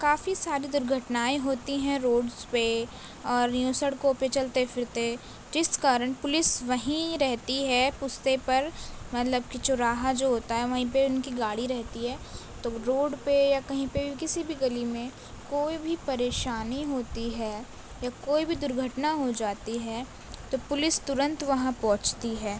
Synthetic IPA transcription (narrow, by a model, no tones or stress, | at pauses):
kaːfisaːɾid̪ʊɾɡʱəʈnaːiɦoːt̪iɦɛ̃ɾoːɖzpe | ɔːɾnjũːsəɽkopet͡ʃɐlt̪efʰɪɾt̪e | d͡ʒɪskaːɾəɳ̃pʊlɪsʋɐɦĩɾɛɦt̪iɦɛpʊst̪epɐɾmɐt̪ləb̚kit͡ʃʊɾaːɦad͡ʒoːɦoːt̪aɦɛʋɐɦĩpeʊnkiɡaːɽiɾɛɦt̪iɦɛː | t̪oɾoːɖpejakɐɦĩpebʱikɪsibʱiɡɐlimẽ | koːibʱipɐɾeːʃaːniɦoːt̪iɦɛː | jakoːibʱid̪ʊɾɡʱəʈnaɦod͡ʒaːt̪iɦɛː | t̪opʊlɪst̪ʊɾə̃nt̪ʋɐɦãpɔ̃ːt͡ʃt̪iɦɛː